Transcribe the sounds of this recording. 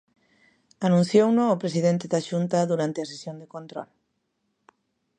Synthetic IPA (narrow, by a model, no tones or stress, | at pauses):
anũn̟θjownʊːpɾesiðent̪eðaʃunt̪ɐðuɾant̪eɐsesjond̪ekont̪ɾɔ̰l